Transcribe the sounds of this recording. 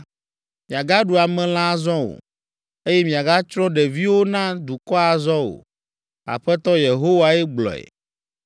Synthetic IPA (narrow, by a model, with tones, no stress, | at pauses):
mĩ˨a˨ɡa˦ɖu˨a˨mɛ̃˨˦l̃ã˦zɔ̃˦o̰˨ | e˦jɛ˦mĩ˨a˨ɡa˦t͡ʃɾ̃ɔ̃˦ɖɛ˨vi˦wo˦nã˦d̪u˨kɔ˦a˨zɔ̃˦wo̰˨ | a̰˨ɸɛ˦t̪ɔ˦je˨ɦo˦wa˦ɛ˦ɡ͡blɔ̰˨ɛ̰˨